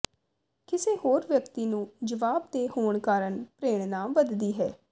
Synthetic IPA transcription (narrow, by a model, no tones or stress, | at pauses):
kɪseːhoːɾʋjəkt̪iːnũːd͡ʒəʋaːbd̪eːhoːɳkaːɾəɳpɾeːɽ̃nãːmʋəd̪d̪iːɦɛ̰ː